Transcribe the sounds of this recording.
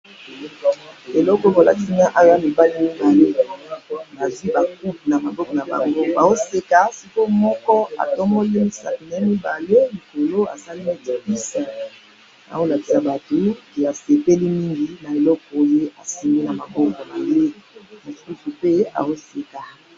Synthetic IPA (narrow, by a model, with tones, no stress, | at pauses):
e˨lɔ˦kɔ˨a˨la̰˦ti˦na˦ʔa˦ɣa˦mi˨ba˦li˦mi˦ba˨le˦˨na˨zwi˦ba˨ku˦pna˨ma˨bɔ˦kɔ˨na˨ba̰˨ŋɡo˦ba˨zo˦se˨ka˨si˨ko˦mɔ˦kɔ˦a̰˨tɔ˦mɔ˦le˦mi˦sa̰˨ki˨na˨i˦mi˦ba˨le˦li˨ko˨lo˦a̰˨sa˦li˦me˦ti˨pi˦sa˨ | na̰˨o˦la˨ki̥˨sa˨ba˨to˨ke˨a˨se˨pe˦li˦mi˦ŋɡi˨na˨e˨lɔ˦kɔ˨˦je˦ʔa˨si˨mi˦na˨ma˨bɔ˦kɔ˨na˨je˦mo˨su˦su˨pe˦a̰˨zo˦se˨ka˨